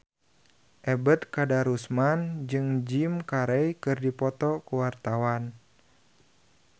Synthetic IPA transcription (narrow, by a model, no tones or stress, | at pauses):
ʔɛbət̪̚kadaɾusmand͡ʒɨŋd͡ʒimkaɾɛjkɨrdipɔt̪ɔkuwart̪awan